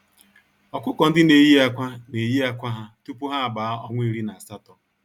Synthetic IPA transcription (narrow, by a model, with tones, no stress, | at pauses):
ɔ˨kʷʊ˦kɔ˨n̩˦dɪ˦ne˨ji˦a˦kʷa˦ne˨ji˦a˦kʷa˦ɦa˦tu˦pu˦ɦa˦a˨ba˨˦ɔ˦ŋʷe˦i˦ɾi˦na˨a˨sa˦tɔ˨